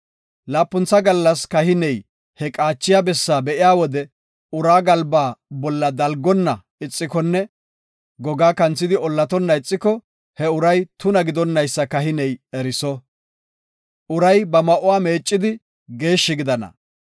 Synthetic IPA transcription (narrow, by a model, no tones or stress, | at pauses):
laːpːʊnt͡sːɐɡɐlːɐskɐhɪnɛj | hɛkʼaːt͡ʃːɪjabɛsːaːbɛʔɪjaːwɔd̪ɛ | ʊɾaːɡɐlbaːbɔlːɐd̪ɐlɡɔnːɐ | ɪt͡sʼːɪkɔnːɛ | ɡɔɡaːkɐnt͡sːɪd̪ɪɔlːɐt̪ɔnːɐɪt͡sʼːɪkɔ | hɛʊɾɐjt̪ʊnɐɡɪd̪ɔnːɐjsːɐkɐɦɪnɛjɛɾɪsɔ | ʔʊɾɐjbɐmɐʔʊwaːme̞ːt͡ʃʼːɪd̪ɪ | ɡe̞ːʃːɪɡɪd̪ɐnɐ̰